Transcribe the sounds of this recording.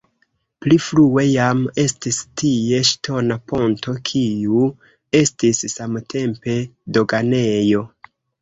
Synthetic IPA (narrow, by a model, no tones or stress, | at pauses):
pliflue̞jame̞stistie̞ʃtʰo̞napo̞nto̞kʰiu | e̞stisːamtʰe̞mpe̞do̞ɡane̞jo̞